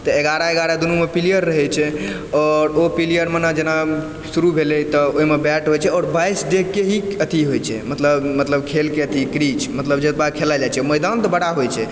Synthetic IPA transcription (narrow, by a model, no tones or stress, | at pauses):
t̪əeɡaɾaeɡaɾad̪unumepilijəɾːəɦɛt͡ʃʰɛ | ɔɾopilijəɾmenad͡ʒena | suɾubʱelɛt̪ɔoimebɛʈɦojt͡ʃʰɛɔːɾbajsɖekeɦiət̪ʰiɦojt͡ʃʰɛ̰mət̪ləbmət̪ləbkʰelkeət̪ʰikɾit͡ʃmət̪ləbd͡ʒət̪̚bakʰelad͡ʒat͡ʃʰɛməjd̪ant̪ɔbəɽ̤aɦojt͡ʃʰɛ